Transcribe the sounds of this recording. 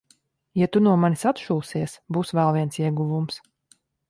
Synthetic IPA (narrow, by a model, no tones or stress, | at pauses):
jat̪unuɔmanʲisat̪ʃuːsiɛsbuːsvɛlˠviɛnsiɛɡuvums